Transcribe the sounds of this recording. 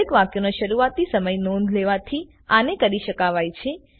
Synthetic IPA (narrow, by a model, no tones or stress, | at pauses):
ekʋakjonaʃəɾuat̪isəməjnɔ̃nd̪ʱleʋat̪ʰi | anekəɾiʃəkaʋajt͡ʃʰe